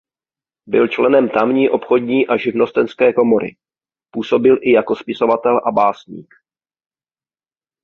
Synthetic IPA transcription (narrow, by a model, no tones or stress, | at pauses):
bɪlt͡ʃlɛnɛmt̪amɲiːʔo̞pxo̞dɲiːʔaʒɪvno̞st̪ɛnskɛːko̞mo̞ɾʔɪ̰ | puːso̞bɪlʔɪjako̞spɪso̞vat̪ɛlʔabaːsɲḭːk